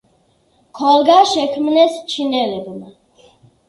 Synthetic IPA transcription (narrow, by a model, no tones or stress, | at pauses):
kʰɔlɡaʃɛkʰmnɛst͡ʃʰinɛlɛbma